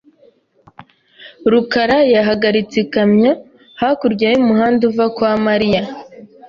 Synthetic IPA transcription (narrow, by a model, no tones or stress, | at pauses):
ɾukaɾajaɦaɡaɾit͡sekamɲo | hakuɾɟajimuɦaːnduvakwamaɾija